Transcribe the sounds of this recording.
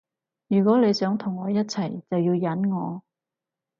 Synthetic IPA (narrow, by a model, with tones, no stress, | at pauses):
jyː˨˩kʷwɔː˨˥le˨˧jsœː˨˥ŋt̪ʰʊ˨˩ŋːɔː˨˧jɐ˥t̚t͡sʰɐ˨˩jt͡sɐ˨wjiː˧wjɐ˨˥nŋɔː˨˧